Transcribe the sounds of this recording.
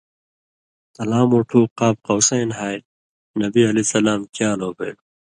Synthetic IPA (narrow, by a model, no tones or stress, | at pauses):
t̪ɐlaːmoʈʰuːqaːp̚qɐwsɐjnɦaːj | nɐbiɐlisɐlaːmkjaːloːbḛːɽu